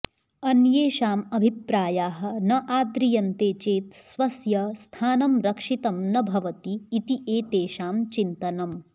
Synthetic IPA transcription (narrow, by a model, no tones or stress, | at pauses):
ɐnjeːʃaːmɐbʱipɾaːjaːɦɐ̆nɐʔaːd̪ɾijɐnt̪eːt͡ʃeːt̪sʋɐsjɐst̪ʰaːnɐmɾɐkʂit̪ɐmnɐbʱɐʋɐt̪iːt̪iʔeːt̪eːʃaːmt͡ʃint̪ɐnɐm